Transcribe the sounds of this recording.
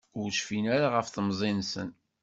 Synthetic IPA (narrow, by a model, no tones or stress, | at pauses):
ʊɾʃfinæɾaʁəfθəmzˤinsə̰n